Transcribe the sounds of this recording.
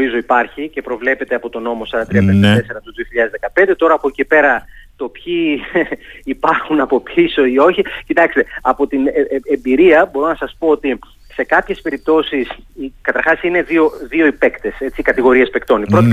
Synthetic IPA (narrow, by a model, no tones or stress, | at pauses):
izo̞ipɐɾçice̞pɾo̞vle̞pe̞t̪eɐpo̞t̪o̞no̞mo̞sɐɾɐt̪ɾiɐpenɐt̪ese̞ɾɐt̪oðio̞çiʎɐðezðe̞kɐpe̞nd̪e̞t̪o̞ɾɐːpocepe̞ɾɐt̪o̞pçiː | pɐɾxunɐpo̞piso̞io̞çicit̪ɐkst̪e̞ɐpo̞t̪ineembiɾiɐbo̞ɾo̞nɐsɐspo̞ot̪i | se̞kɐpçe̞spe̞ɾip̚t̪o̞sisikɐt̪ɐɾxɐsine̞ðio̞ðio̞ipe̞kt̪e̞se̞t͡siːkɐt̪iɣo̞ɾie̞spekt̪o̞nipɾot̪